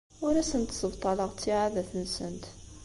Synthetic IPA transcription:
wʊɾæsənt̪sˤəbt̪ˤɑlɑʁt͡s̪ːiʕaðæθənsənt̪

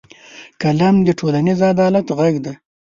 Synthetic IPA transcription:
kalamd̪əʈʰolanizad̪ɑlat̪ɣaɡd̪a

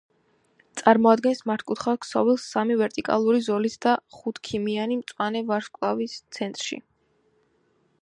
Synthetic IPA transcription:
t̪sʼaɾmɔad̪̚ɡɛnsmaɾt̪ʰkʼut̪ʰχakʰsɔvilˠsamivɛɾt̪ʼikʼa̰lˠuɾizɔlisd̪aχut̪ʰkʰimianimt̪sʼwanɛvaɾskʼlˠavist̪sʰɛnt̪ʼɾʃḭ

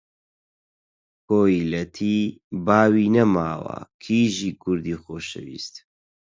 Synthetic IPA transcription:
kʰoːilɐt̪ʰibaːwiːnɐmaːwɐ̰kʰiːʒiːkʰʊɾd̪iːxoːʃɐ̰wḭːst̪

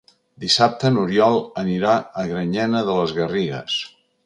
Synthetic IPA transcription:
d̪isap̚t̪ənuɾjɔlˠəniɾaəɣɾəɲɛnəðələzɣəriɣə̰s

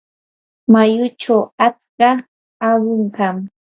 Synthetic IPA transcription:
majʊt͡ʃawat͡skɑ | awɪɴɢɑm

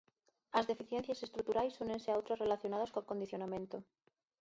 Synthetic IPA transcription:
azðe̞fiθjen̟θjase̞st̪ɾut̪uɾajsune̞nseawt̪ɾore̞laθjonað̞askolko̞nd̪iθjo̞namẽnt̪o

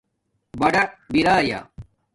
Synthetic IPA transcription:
bɐɽɐbiɾaːja̰

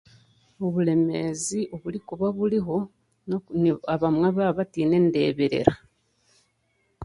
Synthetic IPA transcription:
oβule̞me̞ziʔoβulikuβaβuliɦo̞ | nnaβamwaβaβatiːne̞nde̞̰ːβeɾe̞̰ɾa

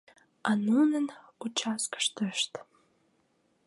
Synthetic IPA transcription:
anunɨn | ut͡ʃʰaskʰə̥ʂtʰɨʂtʼ

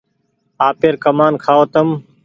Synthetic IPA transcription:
aːpeːɾkəmaːnkʰaːoːt̪əm

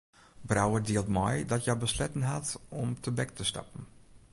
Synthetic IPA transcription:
brawədiəlˠtmɔ̰jdɔtjabəslɛtən̩ɦatɔmtʰəbɛk̚tʰəstɑ̰pən̩

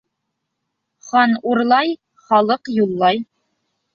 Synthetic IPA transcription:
χɑnuɾlˠɑj | χɑlˠɤqjulˠːɑj

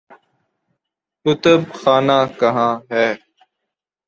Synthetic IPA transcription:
kʊt̪əb̚xaːnaːkəɦãːɦɛː

